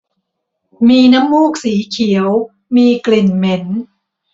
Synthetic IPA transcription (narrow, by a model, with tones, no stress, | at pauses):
miː˧na˦˥mːuː˥˩k̚siː˩˦kʰi˩˦əw | miː˧kli˨˩nme˩˦n